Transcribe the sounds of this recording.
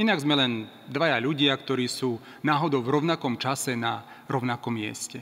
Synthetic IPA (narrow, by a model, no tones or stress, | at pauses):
inaɡzmɛlɛn | d̪ʋajaʎuɟɪakt̪ɔɾiːsuː | naːɦɔd̪ɔʊvɾɔʊnakɔmt͡ʃasɛna | ɾɔʊnakɔmːɪɛ̰scɛ